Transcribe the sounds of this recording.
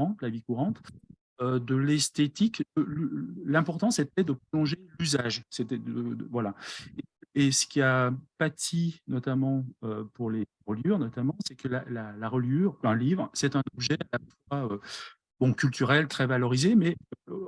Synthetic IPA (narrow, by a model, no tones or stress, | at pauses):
ɑ̃t̪lavikuʁɑ̃t̪ | ød̪əlɛst̪et̪iklələlɛ̃pɔʁt̪ɑ̃set̪̚ɛd̪əpχɔlɔ̃ʒelyzaʒsɛt̪ɛd̪əvwalaeesə̥kʲiapat̪ʰinɔt̪amɑ̃øpuʁle | ʁəljyʁnɔt̪amɑ̃sɛkəlalalaʁəljyːʁɛ̃livʁsɛt̪ɛ̃nɔbʒɛalafwaø | bɔ̃kʲylt̪yʁɛlt̪χɛvalɔʁizemɛø